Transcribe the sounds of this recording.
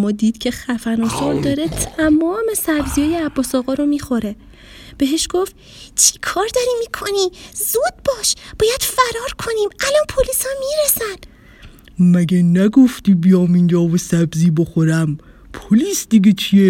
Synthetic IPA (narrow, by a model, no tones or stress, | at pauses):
mɒːd̪iːd̪̥cʰe̞xæfæɾnɒːsɒːɾd̪ɒːɾet̪ʰæmɒːme̞sæbzijɒːjeæbːɒːsɒːɣɒːɾomiːxo̞ɾe̞ | b̥eɦeʃɡ̥o̞ft̪ | t͡ʃʰikʰɒːɾd̪ɒːɾimikʰo̞nizud̪̥̚bɒːʃb̥ɒːjæd̪̥fæɾɒːɾkʰoniːmælɒnpʰolisæmːiːɾesæn | mæɡenæɡoft̪iːbijɒːmind͡ʒɒːvosæbziːboxoɾæm | pʰoliːsd̪iɡʲet͡ʃʰie